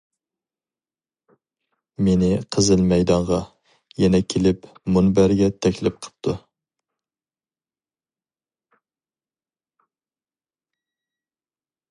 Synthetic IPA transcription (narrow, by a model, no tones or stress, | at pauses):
menɪqʰəzɨlmɛjd̪ɑɴʁɑ | jɛnɛkʲʰelɪpmunbæɾɡʲɛt̪ʰɛkʲlɪp̚qʰə̥p̚t̪ʰu